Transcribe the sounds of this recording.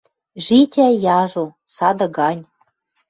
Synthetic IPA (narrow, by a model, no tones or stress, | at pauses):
ʒit̪ʲæjɑʒosɑd̪ɤ̆ɡɑnʲ